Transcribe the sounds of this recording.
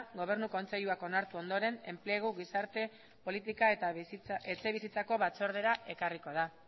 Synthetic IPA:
ɣo̞β̞e̞ɾnuko̞nse̞ʎuako̞naɾt̪uo̞nd̪o̞ɾe̞ne̞mpleɣ̞uɣisaɾt̪e̞ | po̞lit̪̬ikaet̪aet͡se̞βisit͡sako̞βat͡so̞ɾð̞e̞ɾaʔe̞kariko̞ð̞a

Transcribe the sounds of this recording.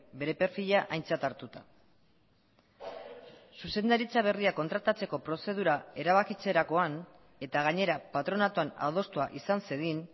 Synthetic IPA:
be̞ɾe̞pe̞ɾfiʎaʔajnt͡sat̪aɾt̪ut̪a | suse̞nd̪aɾit͡saβ̞e̞riako̞nt̪ɾat̪at͡se̞ko̞pɾo̞se̞ð̞uɾae̞ɾaβ̞akit͡se̞ɾako̞an | e̞t̪aɣ̞aɲe̞ɾapat̪ɾo̞nat̪oana̰ð̞o̞st̪uaʔisanseðin

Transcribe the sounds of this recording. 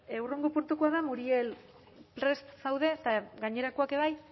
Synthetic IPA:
ewreŋɡopuɾt̪ukoaðamuɾiel | pɾe̞st̪sawðe̞t̪aɡaɲe̞ɾakoake̞β̞aj

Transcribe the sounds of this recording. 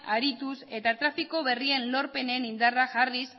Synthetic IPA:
aɾit̪use̞t̪at̪ɾafiko̞βe̞rie̞nlo̞ɾpe̞ne̞nind̪araʝaris

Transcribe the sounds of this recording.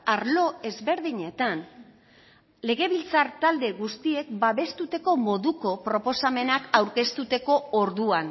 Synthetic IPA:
aɾlo̞e̞zβe̞ɾðiɲe̞t̪an | le̞ɣ̞e̞βilt͡saɾt̪ald̪e̞ɣust̪ie̞kbaβe̞st̪ut̪e̞ko̞mo̞ðuko̞pɾo̞po̞same̞nakawɾke̞st̪ut̪e̞ko̞oɾðuan

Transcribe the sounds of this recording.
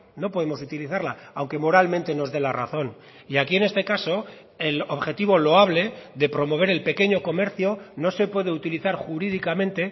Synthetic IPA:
no̞po̞ðemo̞s̬ut̪iliθaɾlaawŋke̞mo̞ɾalmẽnt̪e̞no̞zðe̞lara̰θo̞n | iakie̞nest̪e̞kaso̞ | e̞lo̞βxe̞t̪iβ̞o̞lo̞aβ̞le̞ðe̞pɾo̞mo̞β̞e̞ɾe̞lpe̞ke̞ɲo̞ko̞me̞ɾθjo̞no̞se̞pwe̞ð̞e̞ut̪iliθaɾxuɾið̞ikamẽ̞nt̪e̞

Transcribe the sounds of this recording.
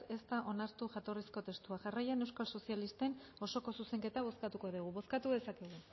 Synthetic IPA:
e̞st̪aʔo̞naɾt̪uʝat̪o̞risko̞t̪e̞st̪uaʝarajane̞wskalso̞sialist̪e̞no̞so̞ko̞suse̞ŋke̞t̪aβ̞o̞skat̪uko̞ðiɣ̞uβo̞skat̪uðe̞sake̞ɣ̞u

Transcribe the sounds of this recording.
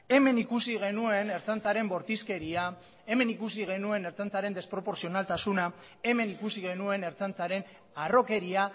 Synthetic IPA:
e̞me̞nikusiɣ̞e̞nue̞ne̞ɾt͡sant͡saɾe̞mbo̞ɾt̪iske̞ɾia | e̞me̞nikusiɣ̞e̞nue̞ne̞ɾt͡sant͡saɾe̞nd̪espɾo̞po̞ɾsio̞nalt̪asuna | e̞me̞nikusiɣe̞nue̞ne̞ɾt͡sant͡saɾe̞n | aro̞ke̞ɾia

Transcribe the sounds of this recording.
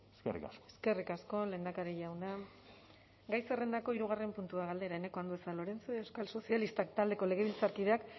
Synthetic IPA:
eskerḭkaskoe̥ske̞rikasko̞le̞ːnd̪akaɾeʝawna | ɡajse̞re̞nd̪ako̞iɾuɣ̞are̞mpunt̪uaɣ̞ald̪e̞ɾae̞ne̞ko̞and̪uesalo̞ɾe̞nt͡soaewskalso̞sialist̪akt̪ald̪e̞ko̞le̞ɣ̞e̞βilt͡saɾkiðe̞ak

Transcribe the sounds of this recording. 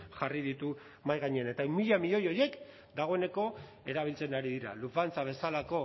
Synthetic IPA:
ʝariðit̪u | majɣaɲeanet̪aimiʎamiʎo̞jo̞je̞k | d̪aɣ̞o̞e̞ne̞ko̞ | e̞ɾaβ̞ilt͡se̞naɾiðiɾa̰lufant͡saβ̞e̞salako̞

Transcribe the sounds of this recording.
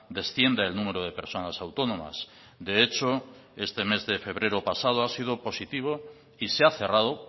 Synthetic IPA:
d̪e̞sθje̞nd̪eelnũmeɾoð̞e̞pe̞ɾso̞nasawt̪onõma̰s | d̪eet͡ʃoe̞st̪e̞me̞zðefe̞β̞ɾeɾopasað̞oasið̞opo̞sit̪iβ̞o | iseaθe̞rað̞o

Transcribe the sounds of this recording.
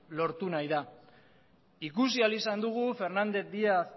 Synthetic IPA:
lo̞ɾt̪unajða | ikus̬ialisand̪uɣ̞ufe̞ɾnand̪e̞kd̪iaːs

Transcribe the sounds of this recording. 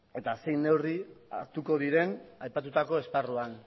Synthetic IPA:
e̞t̪ase̞jne̞wria̰ɾt̪uko̞ð̞iɾe̞najpat̪ut̪ako̞e̞sparuan

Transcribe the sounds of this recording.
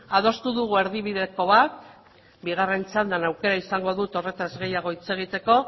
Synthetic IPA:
aðo̞st̪uðuɣ̞ue̞ɾðiβiðe̞ko̞βat̪ | biɣ̞are̞nt͡sand̪anawke̞ɾaisaŋɡo̞ðut̪o̞re̞t̪azɣe̞jaɣ̞o̞it͡se̞ɣ̞it̪e̞ko̞

